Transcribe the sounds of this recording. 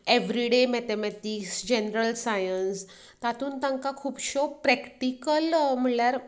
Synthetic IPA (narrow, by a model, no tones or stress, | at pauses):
eʋɾiɖemɛt̪emɛʈiksd͡ʑenɾəlsajəns | t̪at̪uːnt̪ãŋkakʰuːpɕopɾɛkʈikəlm̤əɳljaɾ